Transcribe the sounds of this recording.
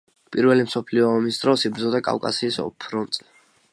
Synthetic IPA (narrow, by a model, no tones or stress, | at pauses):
pʼiɾvɛlimsɔpʰliɔːmisd̪ɾɔsibɾd̪zɔd̪akʼa̰kʼa̰siːsɔ̰pʰɾɔnt̪sʼɛ